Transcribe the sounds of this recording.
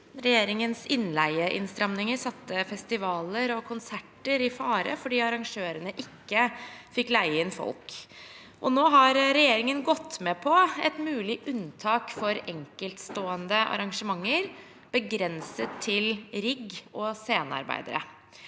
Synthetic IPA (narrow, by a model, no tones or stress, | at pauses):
ɾɛjeːɾɪŋənsɪnlæɪəʔɪ̰nst̪ɾɑmnɪŋəɾsɑt̪ːəfɛst̪ɪʋɑːləɾɔkʰʊnsæʈəɾɪfɑːɾə̰fɔɖiːɑɾɑŋʂøːɾənəʔɪkːəfɪklæɪəɪnfɔ̰lk | ʔɔnoːɦɑɾɾɛjeːɾɪŋənɡɔt̪ːmɛpʰɔɛ̰t̪mʉːlɪʔʉnt̪ʰɑːkfɔɾɛŋkəlt̪st̪oːənd̪əʔɑ̰ɾɑŋʂəmɑŋːəɾ | b̥əɡɾɛnsət̪ʰːɪlɾɪɡɔseːnɑ̰ɾbæ̰ɪd̪ə̰ɾə̰